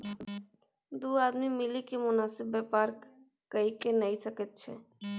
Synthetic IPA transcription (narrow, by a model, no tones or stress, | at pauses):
d̪uːaːd̪mimɪlikimʊnaːsɪbːepaːɾkː | əikenəɦisəket̪̚t͡ʃʰḛ